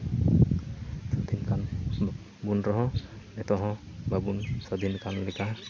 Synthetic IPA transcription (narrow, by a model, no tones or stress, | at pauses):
sɔd̪ʱinkan | bunɾɔɦɔ̃nɛt̪ɔɦɔ̃babunsɔd̪ʱinkanlɛka